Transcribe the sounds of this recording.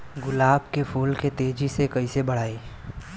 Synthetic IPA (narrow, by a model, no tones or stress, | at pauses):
ɡʊlaːbkepʰuːlket̪eːd͡ʒisekɐisebɐɽ̤aːiː